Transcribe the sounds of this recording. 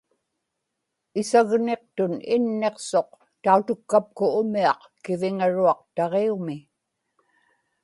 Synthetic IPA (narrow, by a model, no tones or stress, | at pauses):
ɪsaɣne̞q̚t̪ʊnɪnːe̞qso̞q̚ | t̪aut̪ʊkːap̚kʊʊmiɑq | kɪvɪŋaɻuɑq̚t̪ɑʁeumɪ